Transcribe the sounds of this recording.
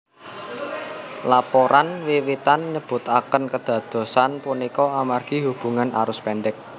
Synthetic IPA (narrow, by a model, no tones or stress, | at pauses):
lapɔɾanwiwit̪anɲəb̥ʊ̤t̪akənkəd̪̥ä̤d̪̥o̤sanpunikɔamarɡ̥i̤ɦub̥ṳŋana̰ɾʊspɛnɖɪk̚